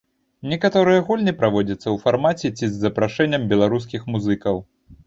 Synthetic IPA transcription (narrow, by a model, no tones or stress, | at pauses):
nʲɛkat̪ɔɾɨjɐɣulʲnʲɛpɾavɔd͡zʲɐt̪sːɐwfarmat͡sʲɛt͡sʲizːɐpɾaʂɛnʲːɐmbʲɛlˠaɾus̬kʲixmuzɨkɐw